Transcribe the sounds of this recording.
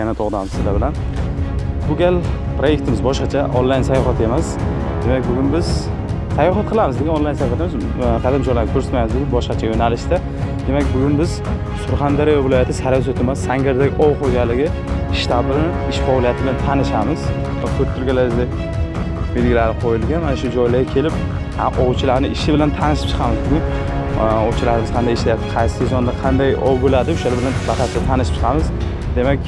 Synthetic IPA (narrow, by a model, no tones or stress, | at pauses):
anat̪ʰɒʁd̪amsɪzlabɪlan | bʊɡʲal | pɾoje̞k̚ʲt̪ʰɪmɪzbɒʃqɑt͡ʃʰaʔɒ̰nlːajnsajɒχat̪e̞mas | d̪e̞makʲbʊɡʲʊnbɪz | sajːɒɦɑt̪̚qʰɨlˠamɪzd̪eɡʲanɒnlːˠajnsajχɑt̪ʰɪmɪz | qʰalɪmd͡ʒɒjlaɾɡɪkʰɵɾsɪt̪majmɪzbʊɡʲʊnbɒʃqɑt͡ʃʰajonalɪʃt̪a | d̪e̞makʲbʊɡʊnbɪz | sʊɾχand̪aɾijavɪlɒjat̪ʰɪsaɾɒs̬ot̪ʰemasːaŋɡʲaɾd̪aɡʲɪʔɒwqʰoɡʲalːɪɡʲɪ | ɪʃt̪abaɪʃfɒlijat̪ʰɪbɪlant̪ʰanɪʃamɪz̥ | vakʰɵɪɾɡʲalaɪzd̪a | bed̪ɡʲɪlaɾɪqʰojɪlɡʲanmanaʃʊd͡ʒɒjlaɾɡʲakʲʰe̞lɪp | haʔɒwt͡ʃʰɪlaɾnɪʔɪʃɪbɪlant̪ʰanɪʃɪp̚t͡ʃʰɨ̥qʰɑmɪzbʊɡʲʊn | ɒwt͡ʃʰɪlaɾɪmɪz̥qʰɑnd̪ajɪʃlajap̚t̪ɨ̥qʰɑjsɪɪd͡ʒɒnd̪aqʰɑnd̪ajɒwbolad̪ɪʊʃaɪbɪlanbat̪ʰasɪd̪at̪ʰanɪʃɪ̥p̚t͡ʃʰɨ̥qʰɑmɪz | d̪e̞makʲ